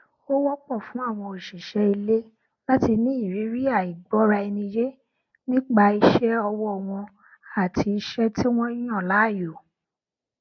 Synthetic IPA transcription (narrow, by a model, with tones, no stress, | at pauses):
o˦wɔ˦k͡pɔ˦˨fũ˨˦a˦˨w̃ɔ̃˧˨i˨ʃi˨ʃɛ˧˦i˧le˦ | la˦ti˧nĩ˨˦i˦˨ɾi˨˦ɾi˦a˦˨i˨ɡ͡bɔ˨˦ɾa˧i˧nĩ˧je˦ | nĩ˦k͡pa˧i˧ʃɛ˦ɔ˧wɔ˦˨w̃ɔ̃˧ | a˨tʰi˧i˧ʃɛ˦ti˦w̃ɔ̃˦i˦j̃ɔ̃˦˨la˨˦˨jo˨